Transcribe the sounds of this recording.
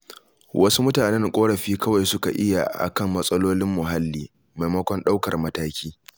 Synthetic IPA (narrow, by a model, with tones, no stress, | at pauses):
wʔɐ˦su˦mʊ˦taː˨nɛ˦ŋkʷʼoː˦ɽɐ˨ɸiː˦kɐ˦wa˨jsʊ˦ka˨ʔɪ˦ja̰˨ʔa̰˨kɐ˦mːɐ˦sʼɐ˦loː˦lɪ˦mːʊ˨ɦa˦lːiː˦ | ma˨jmɐ˦kʷɔ˦nɗa˦wkɐ˨rmɐ˦taː˦kʲiː˦